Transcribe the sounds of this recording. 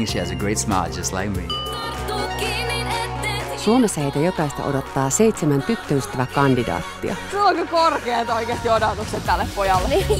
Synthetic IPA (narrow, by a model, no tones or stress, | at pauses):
ʃiæzəɡɹeɪtsmɑ̰ːˑd͡ʒʌstˡla̰ɪk̚mi | t̪ukːininet̪ːesuomesæit̪æjo̞kɑist̪ɑ̰ʔodo̞t̪ːɑːse̞jt̪semænt̪yt̪ːøyst̪ːæʋækɑndidɑ̰ːt̪ːiɑ̰suoŋkɑkorkeːt̪oikeːst̪iodɑt̪ukset̪t̪ːælːeppojɑlːe